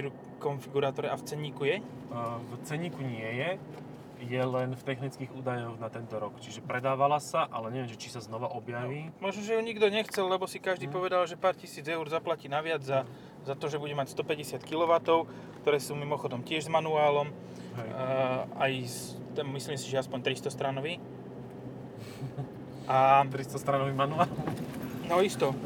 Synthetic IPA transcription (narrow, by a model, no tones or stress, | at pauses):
iɾu | kɔnfiɡuɾaːt̪ɔɾɛʔaft͡sɛɲiːkujɛ | t͡sɛɲiːkuɲɪɛjɛ | jɛlɛnft̪ɛxnit͡skiːɣuːd̪ajɔɣnat̪ɛnt̪ɔɾɔkt͡ʃiʒɛpɾɛd̪aːʋalasaʔalɛɲɛʋɪɛmʒɛt͡ʃisaznɔʋaʔɔbjaʋiːmɔʒnɔʒɛjuɲiɡd̪ɔɲɛxt͡sɛllɛbɔsikaʒd̪iːpɔʋɛd̪alʒɛpaːɾcisiːd͡zɛuɾzaplaciːnaʋɪad͡zza | zat̪ɔʒɛbuɟɛmacst̪ɔpɛɟɛsɪat̪kilɔʋat̪ɔʊ | kt̪ɔɾɛːsuːmimɔxɔd̪ɔmcɪɛʒzmanuaːlɔm | ajs | t̪ɛmisliːmsiʒɛaspɔɲt̪ɾist̪ɔst̪ɾanɔʋiː | ʔat̪ɾist̪ɔst̪ɾanɔʋimanuaːlnɔist̪ɔ